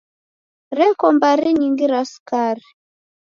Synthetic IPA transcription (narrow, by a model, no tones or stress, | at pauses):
ɾɛkɔmbaɾiɲiŋɡiɾaskaɾi